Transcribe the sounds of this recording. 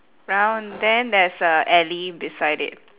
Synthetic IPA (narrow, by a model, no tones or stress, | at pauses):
ɹãʊ̃ndɛ̃ndɛsəʔɛlidɪsaɪɾɪ̰d̚